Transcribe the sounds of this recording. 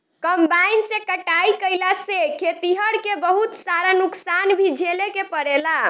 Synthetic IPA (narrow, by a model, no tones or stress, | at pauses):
kəmbainsekəʈaikəjlasekʰet̪iɦəɽkebəɦut̪saɾanuksanbʱid͡ʒʱelekepəɽela